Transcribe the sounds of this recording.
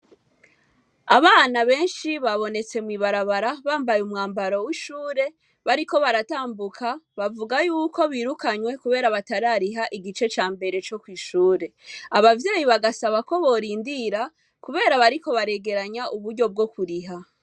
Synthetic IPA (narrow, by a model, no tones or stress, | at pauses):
aβaːnaβe̞ːnʃiβaβo̞ne̞t͡se̞mwiβaɾaβaɾaβaːmbajumŋaːmbaɾo̞wiʃuːɾe̞ | βaɾiko̞βaɾataːmbukʰaβavuɡajuːko̞βiːɾukaɲwe̞kuβe̞ːɾaβataɾaɾiɦaʔiɡit͡ʃe̞t͡ʃaːmbe̞ɾe̞t͡ʃo̞kwiːʃuːɾe̞aβavje̞ːjiβaɡasaβako̞βo̞ɾiːndiɾa | kuβe̞ːɾaβaɾiko̞βaɾeɡe̞ɾaɲaʔuβuɾɟo̞b̚ɡo̞kuɾiɦa